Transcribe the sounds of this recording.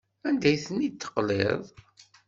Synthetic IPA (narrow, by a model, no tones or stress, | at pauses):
ænd̪æjθənit̪ːə̥qleðˤ